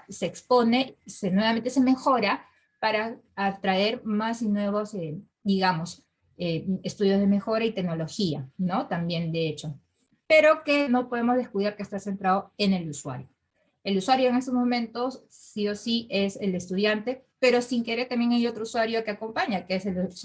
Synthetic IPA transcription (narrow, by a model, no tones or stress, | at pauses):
se̞ːkspo̞ne̞senwe̞βament̪ese̞me̞xo̞ɾa | paɾaat̪ɾae̞ɾmasinwe̞βose | d̪iɣamo̞s | eest̪uðjo̞zð̞e̞me̞xo̞ɾait̪e̞ɡno̞lo̞xia̰no̞t̪ambje̞nd̪e̞et͡ʃo̞ | pe̞ɾo̞ke̞no̞po̞ð̞e̞mozðe̞skuðaɾkest̪ase̞nt̪ɾaðoe̞ne̞luswa̰ɾjo | eluswaɾjo̞eŋe̞st̪ozmõ̞mẽ̞nt̪o̞sːio̞siesele̞st̪uðjant̪e̞ | pe̞ɾo̞siŋke̞ɾe̞ɾt̪ambjeŋajo̞t̪ɾouswaɾjoake̞ako̞mpaɲakeesel